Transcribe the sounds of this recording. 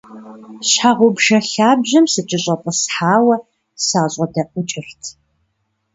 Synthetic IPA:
ɕħaːʁʷʊbʒɐɬaːbʑɐmsɨt͡ʃʼɪɕʼɐpʼəsħaːwɐ | saːɕʼɐdɐʔʷʼʊt͡ʃʼɪɬtʰ

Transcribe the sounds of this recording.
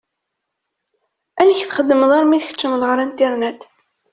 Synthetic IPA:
ænəçθχəd̪ːəməðˤɑɾˤmiðəçə̥t͡ʃːəməðˤʁəɾænt̪ɪɾnæd̪

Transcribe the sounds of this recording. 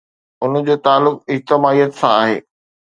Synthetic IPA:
ʊnəd͡ʑoːt̪aːlːʊk̚ɪd͡ʑt̪ɪmaːijət̪sãaːɦḛː

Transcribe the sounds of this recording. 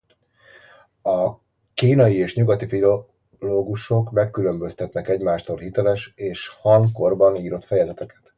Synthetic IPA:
ɒ | kiːnɒjieːʃɲuɡɒt̪ifilo | loːɡuʃo̞kmɛkːylø̞mbø̞st̪ɛt̪nɛkɛɟmaːʃt̪olhit̪ɛlɛʃeːʃhɒŋko̞rbɒniːɾo̞t̪fɛjɛzɛt̪ɛkɛ̥t̪

